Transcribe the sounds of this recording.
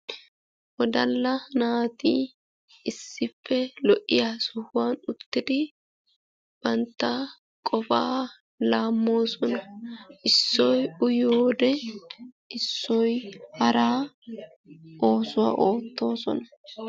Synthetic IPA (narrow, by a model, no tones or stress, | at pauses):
wɔd̪ɐlːɐnaːt̪iː | ɪsːɪfːɛlɔʔːɪjaːsʊhʊwanʊt̪ːɪd̪ɪ | b̥ɐnt̪ːɐ | kʼɔfa̰ː | laːmːo̞ːsɔnɐʔɪsːɔjʊjoːd̪ɛ | ɪsːɔjhɐɾaː | ʔo̞ːsʊwa̰ːʔoːt̪ːo̞ːsɔ̰nɐ̥